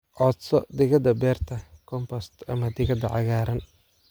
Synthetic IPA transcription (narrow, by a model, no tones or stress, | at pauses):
ʔɔːd̪sɔd̪ɪɣɐd̪ɐbɛːrt̪ʰɐkʰɔmpʰɔst̪ɐmɐd̪ɪɣɐd̪ɐʕɑɣaːɾɐn